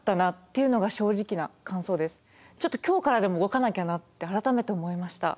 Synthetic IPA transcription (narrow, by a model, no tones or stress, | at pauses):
t̪ːanat̪ːe̞jɯ̟no̞ɡaɕo̞ːʑikʲinakãɰ̃so̞ːd̪e̞sɨ̥ | t͡ɕo̞t̪ːo̞̥kʲo̞ːkaɾad̪e̞mo̞ɯ̟ɡo̞kanakʲanat̪ːe̞aɾat̪ame̞t̪e̞omo̞imaɕi̥t̪a̰